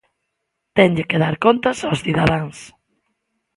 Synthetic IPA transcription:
t̪ɛŋʎɪkeðaɾkont̪asawsθiðaðaŋs

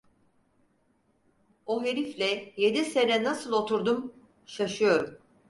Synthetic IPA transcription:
oɦe̞ɾiflʲɛje̞d̪ise̞nɛnasɯlˠo̞t̪ʰuɾd̪um | ʃaʃɯjo̞ɾum

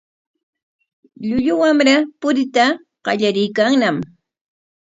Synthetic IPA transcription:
ʎʊʎʊwamɾapʊɾɪt̪a | ɢ̥ɑ̰ʎaɾɪjkaŋnam

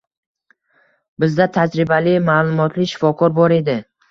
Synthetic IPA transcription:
bɪzd̪at̪ʰad͡ʒɾɪbalɪmaːlˠʊmɒt̪ʰlɪʃɪ̥fɒkʰɒɾbɒɾe̞d̪ɪ

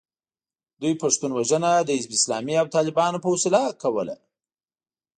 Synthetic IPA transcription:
d̪ujpaʂt̪unwaʒənad̪əɪzbɪslɑmiawt̪ɑlɪbɑnopəwʊsɪlakawəla̰

